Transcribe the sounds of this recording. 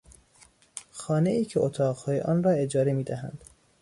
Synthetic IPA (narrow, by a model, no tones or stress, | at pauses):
xɒːne̞iːcʰeʔot̪ʰɒːʁhɒːjeʔɒːnrɒːe̞d͡ʒɒːɾemiːd̪æɦæ̰nd̪̥